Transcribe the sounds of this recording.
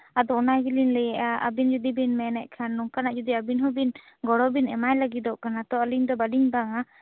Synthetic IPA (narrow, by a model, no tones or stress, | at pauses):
ad̪ɔɔnajbilinlɛjɛʔaʔə̰bind͡ʒud̪ibinmɛnɛʔ̚kʰanːɔŋkanaʔd͡ʒud̪iabinɦɔbin | ɡɔɽɔbinɛmajlaɡid̪ɔʔkanat̪ɔəliɲd̪ɔbaɖiɲbaŋa